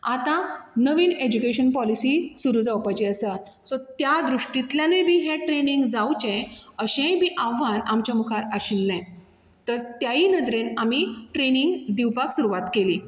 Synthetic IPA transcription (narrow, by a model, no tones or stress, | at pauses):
at̪ãnəʋiːned͡ʑukeɕənpɔlisisuɾud͡zawpajt͡ɕiəsat̪sɔt̪jad̪ɾuʂʈit̪ljanebʱiːɦẽʈɾeniŋɡd͡zawt͡ɕẽəɕẽbʱiʔaʋ̤anamt͡ɕamukʰaɾəɕinːẽ | t̪əɾt̪jainəd̪ɾenamiʈɾeniŋɡd̪iwpaksuɾuʋat̪keliː